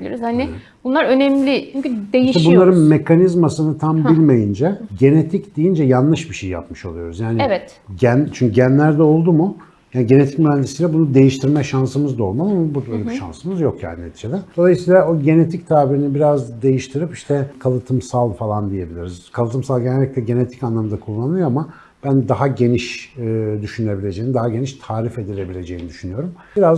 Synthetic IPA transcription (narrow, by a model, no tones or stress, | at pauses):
ilʲiɾizhanɪ | bunlˠaɾø̞nɛmlʲɪt͡ʃʰymyd̪eʃiʃt̪ɛbunnlˠaɾɯnme̞kanizmasɯnɯt̪ʰambilʲmejind͡ʒɛɟe̞net̪ʰicd̪ijind͡ʒɛjanlːˠɯʃbiʃejija̰pmɯʃolˠujo̞ɾuzjaːniɛvɛt̪ | ɟænt͡ʃʰyɲcʰyɟænlʲæɾd̪ɛo̞lˠd̪umu | jaːniɟe̞ne̞t̪i̥c̚myɾænd̪isijlʲɛbunud̪e̞jiʃt̪ʰiɾmɛʃansɯmɯzd̪aolˠmalˠamabud̪øːlʲebiʃa̰nsɯmɯzjo̞kja̰ːniḛt̪ʰiʃʰed̪ɛd̪̥o̞lˠajɯsiːlˠaoɟe̞ne̞t̪ʰict̪ʰaːbiɾinibiɾazd̪e̞jiʃt̪ʰiɾipiʃt̪ʰɛkʰalˠɯt̪ʰɯmsalˠfalˠand̪ije̞bilʲiɾizkʰalˠɯt̪ʰɯmsalˠɟenælʲːict̪ɛɟe̞ne̞t̪ʰi̥canlˠamɯd̪akʰulˠːanɯɯjoama | b̥ænd̪aɦaɟe̞niʃ | d̪yʃynylʲe̞bilʲe̞d͡ʒejinid̪aɦaɟe̞niʃt̪ʰaːɾife̞d̪ilʲe̞bilʲe̞d͡ʒe̞jinid̪yʃynyjo̞ɾum | biɾaz